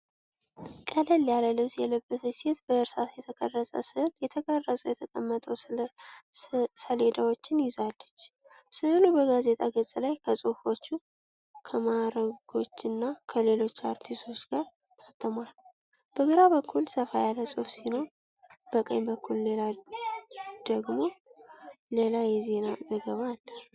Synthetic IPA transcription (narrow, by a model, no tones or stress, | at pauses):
kʼələlːjaləlɨβsjɛləbːəsəse̞t̪bəɨɾsasjɛt̪ʰəkʰʼə̰rːəsʼə̰sɨhljɛt̪ʰəɡarːəzʼəwjɛt̪ʰəkʼəmːət̪ʼəw | səle̞d̪awo̞t͡ʃːɪnjɪzalːət͡ʃː | sɨhlubəɡaze̞t̪ʼaɡət͡sʼlajkʰəsʼɨfo̞t͡ʃːu | kʰəmaɾəɡ̥o̞t͡ʃːɨnːakʰəle̞lo̞t͡ʃːaɾt̪ʰisosɡ̥aɾ | t̪ʰat̪ʰːəmal | b̥əɡəɾaβəkʰːulsəfajalːəsʼofsino̞ɾ | b̥əkʼə̰jbəkʰːulle̞la | d̪̥əɡmo̞ | le̞lajɛze̞nazəɡəβaːlːə